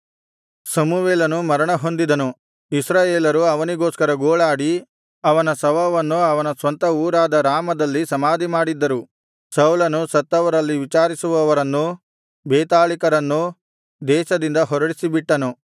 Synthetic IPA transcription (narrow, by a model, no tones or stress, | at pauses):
sɐmuʋeːlɐnumɐɾɐɳɐɦo̞nd̪id̪ɐnu | isɾaːjeːlɐɾuɐʋɐniɡoːskɐɾɐɡoːɭaːɽi | ɐʋɐnɐsɐʋɐʋɐnːuɐʋɐnɐsʋɐnt̪ɐuːɾaːd̪ɐɾaːmɐd̪ɐlːisɐmaːd̪imaːɽid̪ːɐɾu | sɐwlɐnusɐt̪ːɐʋɐɾɐlːiʋit͡ʃaːɾisuʋɐʋɐɾɐnːu | beːt̪aːlikɐɾɐnːu | d̪ɛːʃɐd̪ind̪ɐɦɔɾɐɽisibiʈːɐnu